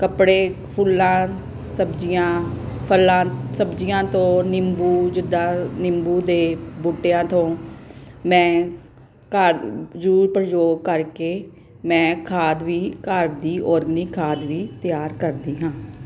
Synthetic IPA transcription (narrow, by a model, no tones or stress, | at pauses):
kəpɽeː | pʰʊlãː | səbd͡ʒijãːpʰəlːãːsəbd͡ʒɪjãːt̪õːnɪmbuːd͡ʒɪd̪ãːnɪmbuːd̪eːbuːʈejãːt̪õː | mɛ̃ː | kəɾd͡ʒuːɾpəɾd͡ʒoːɡkəɾkeː | mɛ̃ːkʰaːd̪ʋiːkəɾd̪iːʔɔːɾɡniːkʰaːd̪ʋiːt̪ɪjaːɾkəɾd̪iːɦãː